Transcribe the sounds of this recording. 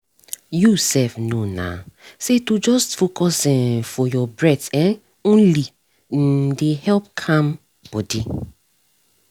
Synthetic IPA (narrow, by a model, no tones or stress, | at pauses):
jusɛfnona̰setud͡ʒɔstfokɔsĩnfɔjɔbɹɛtɛ̃n | õnli | n̩dehɛlp̚kʰãm | b̥ɔdi